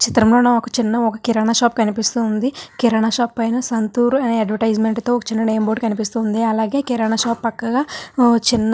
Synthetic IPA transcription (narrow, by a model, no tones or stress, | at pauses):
t͡ʃit̪ɾɐmloːnaɔkɐt͡ʃinːɐɔkɐkiɾɐɳaːʃaːpkɐnipist̪uːnd̪ikiɾɐɳaʃaːpːɐjnɐsɐnt̪uːɾɐneɐɖʋɐʈɐjd͡ʒmeɳʈt̪o̞ːɔkɐ̥t͡ʃinːɐɖeːmboːɖkɐnipist̪uːnd̪iɐlaːɡe̞ːkiɾaɳaːʃaːpːɐkːɐɡaːt͡ʃinːɐ